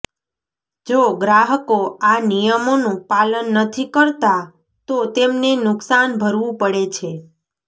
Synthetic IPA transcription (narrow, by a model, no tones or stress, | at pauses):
d͡ʒoɡɾaɦəkoanijəmonũpalənːət̪ʰikəɾt̪a | t̪ot̪emnenʊksanbʱəɾʋũpəɽet͡ʃʰe